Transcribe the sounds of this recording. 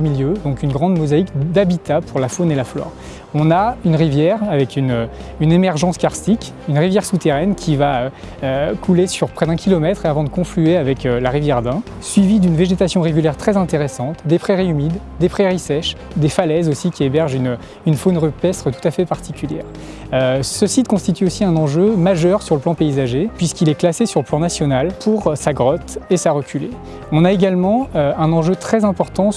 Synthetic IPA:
əmiljød̪ɔ̃kynɡʁɑ̃d̪mɔzaikd̪abit̪apʰuʁlafonelaflɔ̰ːʁ | ɔ̃naynʁivjɛːʁavɛkʰynøynemɛʁʒɑ̃skaʁsikʲ | ynʁivjɛʁsut̪eʁɛnkʲʰivaø | økʰulesyʁpχɛd̪ɛ̃kʲilɔmɛt̪χeavɑ̃d̪əkɔ̃flyeavɛkølaʁivjɛʁd̪ɛ̃ | sɥivid̪ynveʒet̪asjɔ̃ʁeɡyljɛʁt̪χɛzɛ̃t̪eʁesɑ̃t̪d̪epχɛʁiymid̪ːepχɛʁisɛʃ | d̪efalɛzosikʲiebɛʁʒyn | ynfonʁypɛst̪χət̪u̥t̪afɛpaʁt̪ʰikʲyljɛ̰ːʁ | øsəsit̪kɔ̃st̪it̪yosiɛ̃nɑ̃ʒømaʒœʁsyʁləplɑ̃peizaʒepɥiskilɛklasesyʁləplɑ̃nasjɔnalpʰuʁsaɡʁɔt̪esaʁəkʲʰyle | ɔ̃naeɡʲalmɑ̃øɛ̃nɑ̃ʒøt̪χɛzɛ̃pɔʁt̪ɑ̃

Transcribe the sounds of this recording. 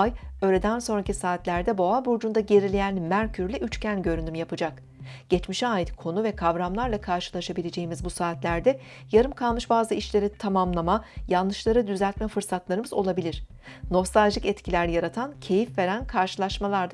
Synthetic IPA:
jø̞ːɾʲed̪ænso̞nɾacisaːt̪lʲæɾd̪ɛbo̞abuɾd͡ʒund̪aɟe̞ɾilʲejænmæɾcʰyɾlʲɛʔyt͡ʃcʰænɟø̞ɾynymjapɯd͡ʒak | ɟ̥ɛt͡ʃmiʃaːjit̪kʰo̞nuvɛkʰavɾamlˠaɾlˠakʰaɾʃɯlˠaʃabilʲe̞d͡ʒe̞jimizbusaːt̪lʲæɾd̪ɛ | jaɾɯmkʰalˠmɯʃbaːzɯiʃlʲe̞ɾit̪ʰamamlˠamajanlːˠɯʃlˠaɾɯd̪yzælʲt̪mɛfɯɾsat̪lˠaɾɯmɯzo̞lˠabilʲiɾ̥ | no̞fsalʒɯkɛt̪cʰilʲæɾjaɾat̪ʰancʰe̞jifve̞ɾænkʰaɾʃɯlˠaɾʃmalˠaɾd̪

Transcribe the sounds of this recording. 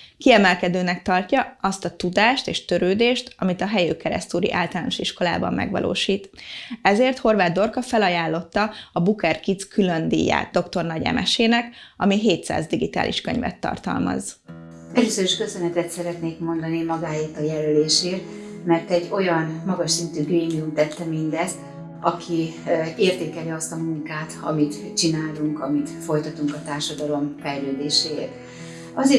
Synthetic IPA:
kiɛmɛlkɛd̪øːnɛk̚t̪ɒrcɒɒst̪ɒt̪ud̪aːʃt̪eːʃt̪øɾøːd̪eːʃt̪ɒmit̪ɒɦɛjøːkɛɾɛ̰st̪uːɾḭʔaːlt̪ɒlaːno̞ʃiʃko̞la̰ːbɒ̰mːɛ̰ɡʋɒ̰lʔo̰ːʃiːt̪ɛzeːrt̪ho̞rvaːd̪d̪o̞rkɒfɛlɒjaːlːo̞t̪ːɒɒbukɛrkit̪skʰylønd̪ḭːjːa̰ːt̪̚d̪o̞kt̪o̞rnɒɟɛ̰mʔɛ̰ʃeːnɛkɒmiɦeːt̪sa̰ːzd̪iɡit̪a̰ːlʔḭʃkøɲvɛ̰t̪ːɒ̰rt̪ɒ̰lmɒ̰z | ɛløːsøɾiʃkøsønɛt̪ɛt̪sɛɾɛt̪neːkmo̞nd̪ɒnimɒɡaːeːrt̪ɒjɛløleːʃeːt̪mɛrt̪ɛɟːo̞jɒnmɒɡɒʃsint̪yːɡreːmiumt̪ɛt̪ːɛmind̪ɛst̪ | ɒkʰieːrt̪eːkɛliɒst̪ɒmuŋkaːt̪ɒ̰mit̪t͡ʃinaːluŋkɒmit̪fo̞jt̪ɒt̪uŋkɒt̪aːrʃɒd̪ɒlo̞mfɛjløːd̪eːʃeːḛːt̪ | ɒze

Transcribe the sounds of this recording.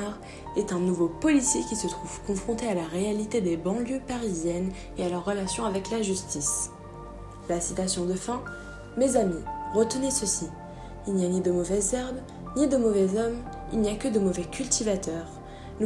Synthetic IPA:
ʁ | ɛt̪ɛ̃nuvopɔlisjekʲisət̪χuv̥kɔ̃fχɔ̃t̪ealaʁealit̪ed̪ebɑ̃ljøpaʁizjɛn | ealœʁːəlasjɔ̃avɛklaʒyst̪is | lasit̪asjɔ̃d̪əfɛ̃ | mezamiʁət̪ənesəsi | ilnijanid̪əmɔvɛzɛʁb | nid̪əmɔvɛzɔm | ilnijakəd̪əmɔvɛkʲylt̪ivat̪œːʁ | n

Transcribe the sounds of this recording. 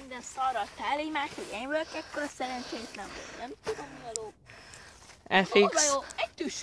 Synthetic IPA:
ind̪ɛnsɒɾɒt̪aːlijmaːʃʋɛɟɛɲʋørkɛkːoɾɒsɛɾɛnt͡ʃeːjt̪lɛɱo̰nɛmt̪ud̪omiɒɾoː | ɛfikjoɛt̪ːyʃ

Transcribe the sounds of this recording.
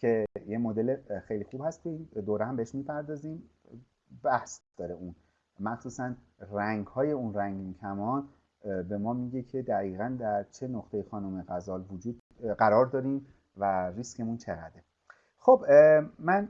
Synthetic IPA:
cʰe̞jemod̪e̞lexejlixuːb̥hæst̪eind̪oːɾehæmbeeʃmiːpʰæɾd̪ɒːziːm | bæhsd̥̪ɒːɾeun | mæxsuːsænræŋɡhɒːje̞unræŋɡmicʰæmɒn | be̞mɒːmiɟe̞cʰe̞d̪æɣiːɣænd̪æɾt͡ʃʰe̞noχt̪ʰejexɒːnomeɣæzɒːlvod͡ʒuːd̪ | ɢæɾɒːɾd̪ɒːɾiːm | værisce̞munt͡ʃʰe̞ɣæ̰d̪e | xobmæn

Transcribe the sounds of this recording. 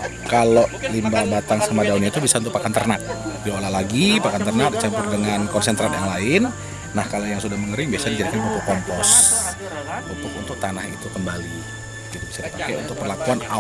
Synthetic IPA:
kaloʔlimbabat̪aŋsamadaunɲait̪ubisaunt̪ʊk̚pakant̪ərnak̪̚diolalaɡipakant̪ərnak̚dit͡ʃampʊrdəŋankɔnsɛnt̪ɾanjaŋlaɪnː | ahkalojaŋsudahməŋəɾɪŋbiasadid͡ʒaɾikanməpokɔnpɔs | unt̪ʊkunt̪ʊk̚t̪anahḭt̪ukəmbali | kit̪abisadipakɛṵnt̪ʊk̚pərlakuana

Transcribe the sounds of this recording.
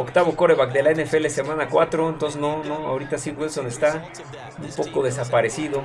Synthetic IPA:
okt̪aβo̞ko̞ɾeβakd̪e̞laenefe̞lese̞mãnakwat̪ɾoent̪o̞ns̬eznonoa̰oɾit̪asiβwezond̪est̪a | umpo̞ko̞ðe̞s̬apaɾe̞siðo

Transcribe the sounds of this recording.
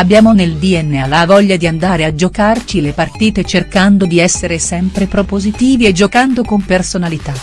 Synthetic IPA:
abjaːmoneld̪iɛnːealavɔʎːad̪iand̪aːɾead͡ʒokart͡ʃilepart̪iːt̪et͡ʃerkand̪od̪iɛsːeɾesɛmpɾepɾopozit̪iːvied͡ʒːokand̪okompersonalit̪a

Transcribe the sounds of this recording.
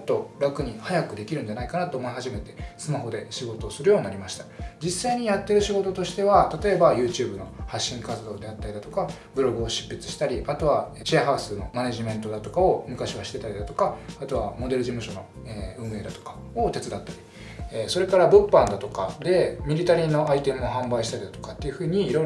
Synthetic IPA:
t̪ːo̞ɾakɯ̟ɲ̟ihajakɯ̟d̪e̞kʲiɾɯ̟nd͡ʑanaikanat̪oːmo̞iɦaʑime̞t̪e̞̥sɨmaɦo̞d̪e̞ɕiɡo̞t̪o̞ːsɨɾɯ̟jo̞ːɲinaɾimaɕi̥t̪ḁd͡ʑisːaiɲ̟ijat̪ːe̞ɾɯ̟ɕiɡo̞t̪o̞t̪o̞ɕi̥t̪e̞β̞at̪at̪o̞e̞bajɯ̟ːt͡ɕɨːbɯ̟no̞haɕːĩŋkat͡sɨd̪o̞ːd̪e̞at̪ːaɾʲid̪at̪o̞ka | bɯ̟ɾo̞ɡɯ̟o̞ɕi̥pːit͡sɨ̥ɕi̥t̪aɾʲiʔat̪o̞β̞a | t͡ɕeaɦaɯ̟sɨno̞̰maneʑimẽ̞nt̪o̞d̪at̪o̞kao̞mɯ̟kaɕiβaɕi̥t̪e̞t̪aɾʲid̪at̪o̞kaat̪o̞βa̰mo̞d̪e̞ɾɯ̟ʑimɯ̟ɕo̞no̞̰ | eːɯ̟̃ːɰ̃e̞ːd̪at̪o̞̥kḁ | o̞t̪e̞t͡sɨd̪at̪ːaɾʲi̥ | eso̞ɾe̞kaɾabɯ̟pːãnd̪at̪o̞kad̪e̞mʲiɾʲit̪aɾʲĩnːo̞ait̪e̞mɯ̟oɦãmbaiɕi̥t̪aɾʲid̪at̪o̞̥kat̪ːe̞jɯ̟ɸɯ̟ːɲ̟iːɾo̞ɾ

